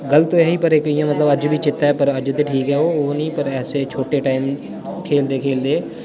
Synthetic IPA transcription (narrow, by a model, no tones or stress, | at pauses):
ɡɐlt̪ojɐɦipəɾeːkɪjãmɐt̪ləbɐd͡ʒbʱit͡ʃɪt̪ːaɛpɐɾɐd͡ʒt̪eʈʰiːkɦɛɦoonĩpɐɾɛːset͡ʃʰoːʈeʈaːɪm | kʰeːld̪eːkʰeːld̪eː